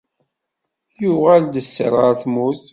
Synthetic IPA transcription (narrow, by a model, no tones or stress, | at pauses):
jʊʁæld̪əsːə̰ɾˤəɾθmuθ